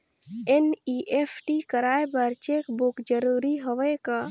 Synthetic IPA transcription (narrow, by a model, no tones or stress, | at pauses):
eniʔepʰʈikəɾaːebəɾt͡ʃekbukd͡ʒəɾuɾiɦəʋeka